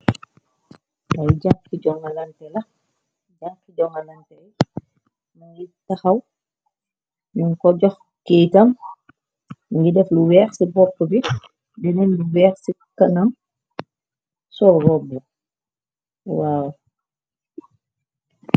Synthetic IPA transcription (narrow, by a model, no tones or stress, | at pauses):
ajɟaŋkiɟɔŋɐlɐntɛlɐ | d͡ʒaŋkiɟɔŋɐlɐntɛ | muŋɡitɐxɐw | nuŋkɔɟɔx | kiːtɐm | ŋɡidɛfluwɛːxsibɔpːəbi | dɛnɛnluwɛːxsi | kɐnɐm | sɔɾɔbːu | waːw